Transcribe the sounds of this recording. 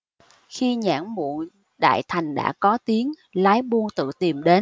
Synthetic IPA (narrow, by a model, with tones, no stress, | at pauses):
xi˧ɲa̰ː˧˩˥ŋmṵ˧˨ | ɗa̰ː˧˨jt̪ʰa˨˩jŋ̟ɗa̰ː˧˥kɔ˨˦t̪i˨˦əŋ | laː˨˦jɓu˧ənt̪ɨ̰˧˨t̪i˨˩mɗe˨˦n